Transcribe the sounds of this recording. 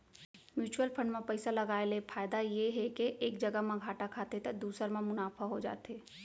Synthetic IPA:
mjuːt͡ʃuəlpʰə̃ɳɖmẽpəɪsaləɡaːelepʰaːɪd̪ajeɦekeʔeːk̚d͡ʒəɡəɦmẽɡʱaːʈakʰaːt̪et̪əd̪uːsəɾmẽmʊnaːpʰaɦod͡ʒa̰ːt̪eː

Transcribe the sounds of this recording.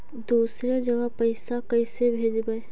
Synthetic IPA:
d̪uːsɾed͡ʒɐɡəpɐɪsakɐɪsebʱeːd͡ʒbəe

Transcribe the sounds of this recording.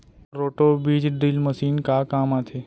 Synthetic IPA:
ɾoːʈobiːd͡ʒɖilməsiːnkakaːmaːt̪ʰe

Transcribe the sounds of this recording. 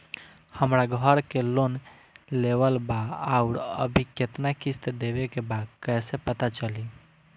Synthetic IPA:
həmɾaɡʱəɾkelon | leʋəlbaauɾə̰bʱiket̪nakist̪d̪ebekebad̪kɛsepət̪at͡ʃəli

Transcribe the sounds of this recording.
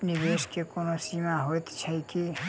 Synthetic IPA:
pnibeskekonosimaɦojt̪t͡ʃʰəjki

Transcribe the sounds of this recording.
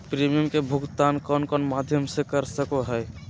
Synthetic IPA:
pɾimijəmkebʱʊɡt̪aːnkɔːnkɔːnmad̪ʱjəmsekəɾsəkoɦɛj

